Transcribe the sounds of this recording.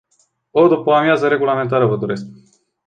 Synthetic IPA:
od̪upəamjazəɾe̞ɡulame̞nt̪̬aɾəvəd̪o̞ɾe̞sk

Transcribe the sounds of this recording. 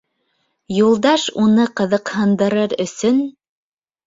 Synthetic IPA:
julˠd̪ɑʃunɤqɤ̆ðɤ̆qhɤ̆nd̪ɤ̆ɾɤɾɵ̆sɵn

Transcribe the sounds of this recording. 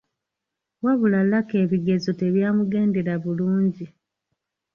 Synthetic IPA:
waβulalake̞ːβiɡe̞zo̞te̞βjaːmuɡe̞ːnde̞ɾaβuluːɲɟi

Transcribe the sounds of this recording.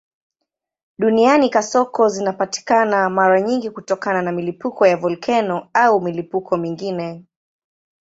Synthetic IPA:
ɗunianikasɔkɔzinapati̥kanamaɾaɲiŋɡikutɔkananamilipukɔjavɔlkʰɛnɔaumilipukʰɔmiŋɡinɛ

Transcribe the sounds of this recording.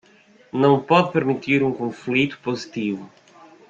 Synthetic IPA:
nɐ̃w̃pɔðpɨɾmit̪iɾũŋkõflit̪u̥pozit̪ivu

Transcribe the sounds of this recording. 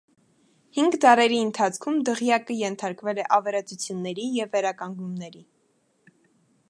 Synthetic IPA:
hiŋɡd̪ɑɾɛɾiənt̪ʰɑt͡sʰkʰumd̪əʁjɑkəjɛnt̪ʰɑɾkvɛlɛʔɑvɛɾɑt͡sut͡sʰjunːɛɾijɛvːɛɾɑkɑŋɡnumnɛɾi

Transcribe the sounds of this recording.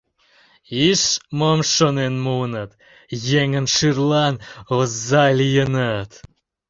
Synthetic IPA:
iʃmomʃonenmunət̪ | jeŋənʃɨrlˠɑnozːɑlʲijənət̪

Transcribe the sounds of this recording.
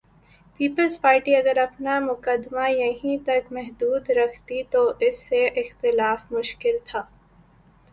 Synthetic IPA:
piːpəlzpaːɾʈiɐɡəɾɐpnamʊkəd̪majɐɦĩt̪ɐkmɛɦd̪uːd̪ɾɐkʰt̪it̪oʔɪsːeʔɪxt̪ɪlaːfmʊʃkɪlt̪ʰaː

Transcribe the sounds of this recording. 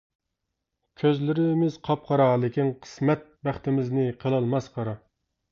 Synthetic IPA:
kʲʰøzlɪɾɪmɪz̥qʰɑp̚qʰɑɾɑlˠɪkʲinqʰə̥smɛt̪̚bæχt̪ɪmɪznɪqʰəlˠɑlˠmɑsqʰɑɾɑ

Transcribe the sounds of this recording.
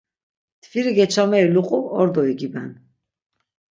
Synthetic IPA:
t̪ʰviɾiɡɛt͡ʃʰamɛiluqʼuɔɾd̪ɔiɡibɛn

